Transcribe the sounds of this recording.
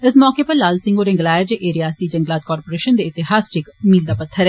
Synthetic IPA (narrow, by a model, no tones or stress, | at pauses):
ɪsmɔːkeːpəɾlaːlsɪ̃ŋɡoːɾɪ̃ŋɡlaːɪd͡ʒeʔeːɾijaːsd̪iːd͡ʒə̃ŋɡlaːt̪̚kɔːɾpoːɾeːʃənd̪eːɪt̪ɪɦaːsɾɪkmiːld̪aːpət̪ʰːəɾɛː